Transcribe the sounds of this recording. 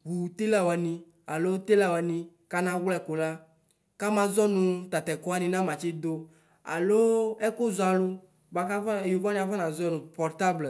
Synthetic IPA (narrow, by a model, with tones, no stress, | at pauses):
wu˨t̪e˦la˦wɛ˨nĩ˨ | a˨lo˦t̪e˦la˦wɛ˨nĩ˨ | ka˦nã˦wlɛ˦˨ko˨la˦ | ka˦mã˨zɔ˦nʊ̃˨t̪a˨t̪ɛ˨kɔ˦a˦nĩ˨nã˦mã˨t͡ʃɪ˦d̪o˦ | a̰˨lo˦ɛ˦kʊ˦zɔ˨a˨lʊ˦ | ba˨ka˦vjo˨va˦nĩ˦˨a˨va˦nã˨zɔ˦nʊ̃˨pɔ˨ɾt̪a˦blə˨